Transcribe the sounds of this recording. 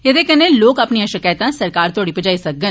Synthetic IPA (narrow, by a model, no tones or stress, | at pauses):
jɐd̪ekɐnẽloːkɐpniãʃɪkaːjt̪ãsɐɾkaːɾt̪ʰoːɽipəd͡ʒaːisɐk̚ɡən